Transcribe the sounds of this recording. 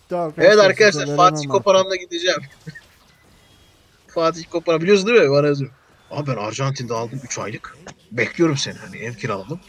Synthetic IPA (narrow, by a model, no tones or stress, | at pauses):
evɛt̪aɾkʰad̪aʃ̬lˠaɾfaːt̪ʰikʰo̞paɾanlaɟid̪ed͡ʒɛːm | faːt̪̬içko̞paɾanbilʲijos̬und̪imɪbanajazjɾ | a̰bæna̰ɾʒant̪ʰind̪ɛalˠd̪ɯmyt͡ʃʰa̰jlˠɯkbɛclʲijo̞ɾumsenihanḭʔɛvcʰiɾalˠad̪ɯm